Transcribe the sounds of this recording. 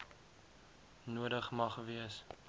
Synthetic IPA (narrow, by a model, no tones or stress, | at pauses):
nuədəχmɐχviəs